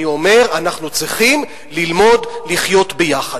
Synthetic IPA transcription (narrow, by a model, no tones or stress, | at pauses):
io̞me̞ʁanaχnut͡sʁiχim | lilmo̞dliχjo̞t̪bejaχad